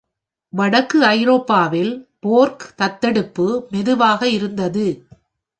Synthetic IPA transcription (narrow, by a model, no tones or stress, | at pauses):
ʋɐɽɐkːɯɐɪɾoːpːaːʋɪlpoːɾkt̪ɐt̪ːɛɽɯpːɯmɛðɯʋaːɣɐɪɾɯnd̪ɐðɯ